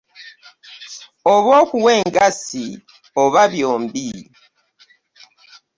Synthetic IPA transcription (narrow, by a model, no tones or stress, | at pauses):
oβoːkuwe̞ːŋɡasi | oβaβjoːmbi